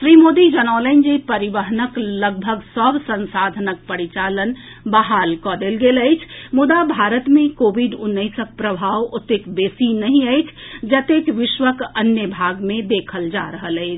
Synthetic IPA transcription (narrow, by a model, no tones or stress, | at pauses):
ʃɾimod̪id͡ʒənaləɪnd͡ʒipəɾiʋəɦnəkləɡ̚bʱəɡsəbsə̃nsad̪ʱənək̚pəɾit͡ʃalən | baɦalkɔd̪elɡeləɪt͡ʃʰmʊd̪abʱaɾət̪mẽkobiɖʊnːəɪsək̚pɾəbʱaʋot̪ːekbesinəɦĩəɪt͡ʃʰd͡ʒət̪ekʋɪʃʋəkənjəbʱaɡmẽd̪ekʰəld͡ʒa̰ɾəɦələɪt͡ʃʰ